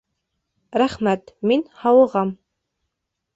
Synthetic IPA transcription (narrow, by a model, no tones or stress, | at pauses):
ɾæχmæt̪minhɑwɤ̆ʁɑm